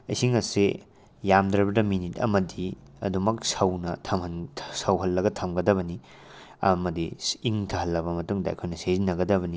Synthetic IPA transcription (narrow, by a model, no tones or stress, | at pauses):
ɐjsiŋɐse | jamdɾɐbɐdɐminitɐ̰mɐdi | ɐdumɐk̚sɐwnɐtʰɐmhɐnʰsɐwɦɐlːɐɡɐtʰɐmɡɐdɐβɐni | ɐmɐdiiŋtʰɐɦɐlːɐbɐmɐtuŋdɐɐ̰jkʰojnɐsezinːɐɡɐdɐβɐni